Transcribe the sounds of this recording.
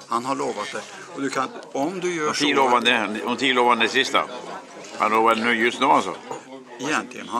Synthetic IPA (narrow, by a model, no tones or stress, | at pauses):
hanhaɭoːvat̪̚d̪ɛ | ɔd̪ʉkʰanɔmd̪ɵjœːt̪ʰiloːvand̪ɛɔmt̪ʰiloːvand̪d̪ɛsɪst̪a̰ | a̰loːvad̪nʉːjɵst̪nʉːalsɔ̰ | ɛjɛnt̪lɪɡə̰nha